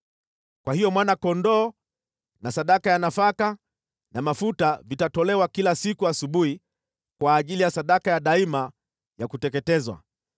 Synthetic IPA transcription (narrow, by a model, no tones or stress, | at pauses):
kwʔahijɔmwanakɔndɔː | nasaɗakajanafaka | namafutavitatɔlɛwakilasikuasuɓuhi | kwaːʄilijasaɗakajaɗaima | jakutɛkɛtɛzwa̰